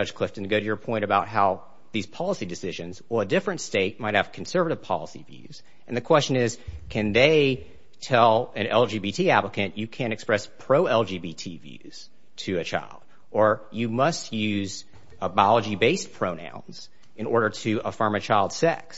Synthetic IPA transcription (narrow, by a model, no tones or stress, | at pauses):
ʌ̥ʒ̥kʰl̥ɪftɨ̃nɡoʊɾɨjə˞pʰɔ̃ɪ̃ɾ̃ɨbaʊt̚ɦaʊ | ðiz̥pʰɑlˠəsidɨsɪʒɨ̃nzəlˠədɪfɹɨ̃ntsteɪt̚maɪt̚hɨv̥kʰn̩sɜ˞vɨɾɨv̥pʰɑ̰lˠəsḭvjʉ̰z̥ | ɨ̃nðɨkʰw̥ɛst͡ʃɨ̃nɪz̥kʰɨ̃nðeɪ | tʰɛlˠɨ̃nɛlˠd͡ʒibitʰiæpləkɨ̃nɨkʰɨ̃ɾ̃ɨkspɹɛspʰɹ̥oʊɛlˠd͡ʒibitʰivjʉ̰z̥ | tʰɨɨt͡ʃʰa̰ɪlˠd̥̚ | ə˞jɨmʌst̚jʉz | əbɑlˠəd͡ʒibeɪspʰɹ̥oʊnã̰ʊ̃nz̥ | ɨ̃nɔɹɾə˞ɾɨəfɜ̃˞mɨt͡ʃʰaɪlˠd̥sɛ̰ks